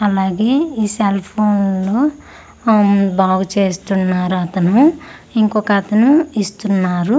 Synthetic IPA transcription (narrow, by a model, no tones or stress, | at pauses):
ɐlaːɡe̞ːiːselpʰoːnloː | baːɡut͡ʃeːst̪unːaːɾuɐt̪ɐnu | iŋkɔkɐt̪ɐnuist̪unːaːɾu